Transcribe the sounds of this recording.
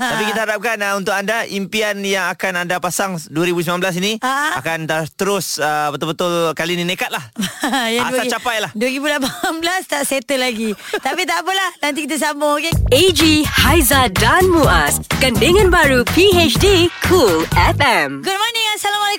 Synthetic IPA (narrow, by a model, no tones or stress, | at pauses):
t̪apikit̪əɦaɾap̚kanaunt̪ʊk̚andaʔimpianjaŋakanandapasaŋduəɾibus̬imanblas̬iniaakant̪at̪əɾʊsəbət̪ʊlbət̪ʊlkalininekat̪̚lahjaadsat͡ʃapajlahduəɾibulapanblast̪aʔset̪əlaɡit̪apit̪apəlahnant̪ikit̪as̬aməokeed͡ʒihajzadanmuaskandəŋãnbaɾupiet͡ʃdikʰulɛfɛmɡud̚mɔnə̃ŋasalamala